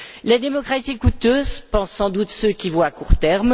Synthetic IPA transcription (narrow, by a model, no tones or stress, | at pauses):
lad̪emɔkχasiekut̪øːzpɑ̃sːɑ̃d̪ut̪søkʲivwaːkuʁt̪ɛʁm